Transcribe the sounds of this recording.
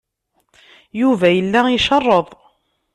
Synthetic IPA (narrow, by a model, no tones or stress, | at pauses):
juvæjəlːæiʃɑrˤːəðˤ